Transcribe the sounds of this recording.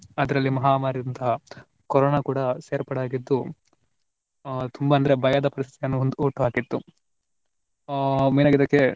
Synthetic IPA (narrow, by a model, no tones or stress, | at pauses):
ɐd̪ɐɾɐlːimɐɦaːmaːɾid̪ɐnt̪ɐɦɐ | kɔɾoːnakuːɽɐseːɾpɐɽaːɡid̪ːu | t̪ʰumbɐːnd̪ɐɾe̞bʱɐjad̪ɐpɐɾist̪it̪ijɐnːuond̪uuːʈːuɦaːkit̪ːu | meːnaːɡid̪ɐkːe̞